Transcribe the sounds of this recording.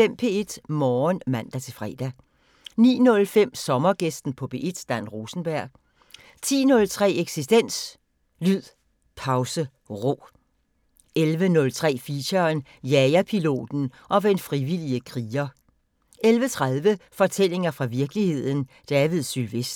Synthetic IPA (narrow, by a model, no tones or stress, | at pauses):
fem̰pʰe̝̰ːe̝d̥mɒːnmæn̰d̥æt͡sʰe̝lfʁɛ̰ːd̥æ | nḭːnɔ̽lfem̰sɒ̽mɐɡ̥esd̥n̩pʰɒ̽b̥e̝ʔed̥sd̥æn̰ʁo̝ːsn̩b̥æɐ̰ɡ̥ | t͡sʰḭːnɔ̽lt͡sʰʁɛ̰ːeɡ̥sisd̥en̰s | lyð̰ˠ | pʰɑ̈ʊsə | ʁo̝̰ː | elʋənɔ̽lt͡sʰʁɛ̰ːfiɕɐn | jɛɪɐpʰilo̝̰ːd̥n̩ʔɒ̽ʋenfʁiʋil̰iəkʰʁiːɐ | elʋət͡sʰʁaðˠʋəfɒ̽t͡sʰel̰e̝ŋɐfʁɑ̈ʋiɐɡ̥lihe̝ð̰ˠn̩d̥ɛːʋiðˠsylʋesd̥